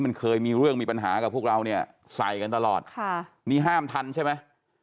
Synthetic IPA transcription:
ma˧nkʰɤː˧jmiː˧ɾɯ˥˩əŋmiː˧pa˧nɦa̰ː˩˦ka˨˩pʰu˥˩əkɾa˧wni˥˩ɐ | sa̰˨˩jka˧nt̪a˧lɔː˨˩t̪̚kʰa˥˩ | niː˥˩ɦaː˥˩mt̪ʰa˧nt͡ɕʰa˥˩jma˦˥j

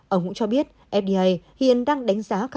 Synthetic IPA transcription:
ʔəː˧˩ŋ͡mŋṵ˧˥t͡ɕɔ˧ɓi˦˥ət̚ | ʔɛ˦˥p̚ɗi˧ʔa˧˩jhḭ˧˨ənɗaː˧ŋɗa˨˦jŋ̟zaː˨˦x

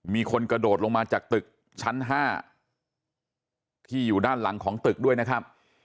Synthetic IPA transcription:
miː˧kʰo˧nkɾa˧doː˨˩t̪̚lo˧ŋmaː˧t͡ɕaː˨˩k̚t̪ɯ˨˩k̚ | t͡ɕʰa˦˥nɦaː˥˩ | t̪ʰiː˥˩juː˨˩daː˥˩nla˩˦ŋkʰɔː˩˦ŋt̪ɯ˨˩k̚du˥˩əjna˦˥kʰa˦˥p̚

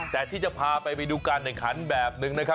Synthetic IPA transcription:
t̪ɛː˨˩t̪ʰiː˥˩t͡ɕa˨˩pʰaː˧pa˧jpa˧jduː˧kaː˧nʔɛ˨˩ŋkʰa˩˦˥nbɛː˨˩p̚nɯ˧ŋna˦˥kʰɾa˦˥

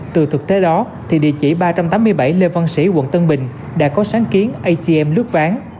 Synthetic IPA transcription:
t̪ɨ˨˩t̪ʰɨ˨˩k̚t̪e˨˦ɗɔ˨˦ | t̪ʰi˨˩ɗḭ˧˨ət͡ɕḭ˧˩ɓaː˧t͡ɕa˧mt̪aː˨˦mːɨ˧əjɓa˧˩jle˧vaː˧nsḭ˧˩wə̰˧˨nt̪ə˧nɓï˨˩ŋ̟ | ɗa̰ː˧˥kɔ˨˦saː˨˦ŋki˨˦ənʔə˧jt͡ɕi˧ɛ˧mlɨ˦˥ək̚vaː˨˦ŋ

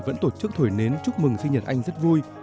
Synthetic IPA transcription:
və̰˧˥nt̪o˧˩t͡ɕɨ˦˥k̚t̪ʰo˧˩jne˨˦nt͡ɕʊ˦˥k͡p̚mɨ˨˩ŋsi˧ŋ̟ɲə˨˩t̚ʔa˧jŋ̟zə˦˥t̚vu˧j

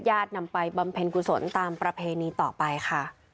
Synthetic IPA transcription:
t̪̚jaː˥˩t̪̚na˧mpa˧jba˧mpʰe˧nkʰu˨˩so˩˦nt̪aː˧mpɾa˧pʰeː˧niː˧t̪ɔː˨˩pa˧jkʰa˥˩

